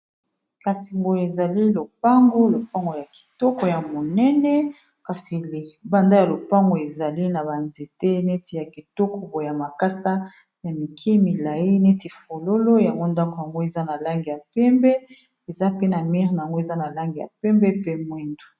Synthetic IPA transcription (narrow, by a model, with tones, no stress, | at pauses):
ka˨si˨ŋɡo˨e˨za˨li˦lo˨pa˦ŋɡo˦lo˨pa˦ŋɡo˨ja˨ki̥˨tɔ˦kɔ˨ja˨mo˨nɛ˦nɛ˦ | ka˨si˨ba˨nda˦ja˨lo˨pa˦ŋɡo˨e˨za˨li˦na˨ba˨nze˨te˦ne˦ti˨ja˨ki˨tɔ˦ko˨bo˨ja˨ma˨ka˦sa˦ | ja˨mi˨kʰi˦mi˨la˨ji˦ne˦ti˨fo˨lo˦lo˦ja˨ŋɡo˦nda˦ko˨ja˨ŋɡo˦e˨za˦na˨la˦ŋɡi˨ja˨pɛ˦mbɛ˦ | e˨za˦pe˦na˨mɛ˦ʁna˨ja˨ŋɡo˦e˨za˦na˨la˦ŋɡi˨ja̰˨pɛ˦mbɛ˦pe˦mwi˦ndu˨